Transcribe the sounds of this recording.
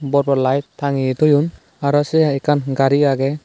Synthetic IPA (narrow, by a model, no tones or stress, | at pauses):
bɔɾbɔɾlajt̪ʰːaŋit̪ɔjun | aɾasɛɛkʰanɡaɾiaɡɛ